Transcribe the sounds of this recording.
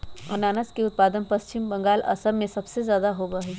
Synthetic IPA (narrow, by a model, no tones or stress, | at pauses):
ɐnaːnəskeʊt̪̚paːd̪ənpɐst͡ʃɪmbɐ̃ŋɡaːlɐ̰səɾmẽsɐbsezjaːd̪aɦoːbaɦiː